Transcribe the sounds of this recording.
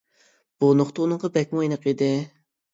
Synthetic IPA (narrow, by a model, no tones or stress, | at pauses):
b̥unoχt̪əunɨŋʁɑbɛk̚ʲmɑjinəqid̪ɪ